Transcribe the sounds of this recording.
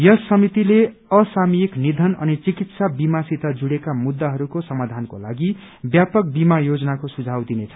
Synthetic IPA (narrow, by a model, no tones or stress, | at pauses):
jʌsːʌmit̪ile | ʌsamijiknid̪ʱʌnʌ̰nit͡sikit̪sabimasit̪ad͡zuɽekamud̪ːaɦʌɾukosʌmad̪ʱankola̰ɡi | bjapʌk̚bimajod͡zʌnakosud͡zʱawd̪inet͡sʰʌ